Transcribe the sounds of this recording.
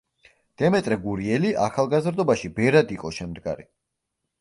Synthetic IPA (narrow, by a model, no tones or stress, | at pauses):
d̪̥ɛmɛt̪ʼɾɛɡuɾiɛliʔa̰χalˠɡazɾd̪ɔbaʃibɛɾad̪iqʼɔʃɛmd̪ɡa̰ɾi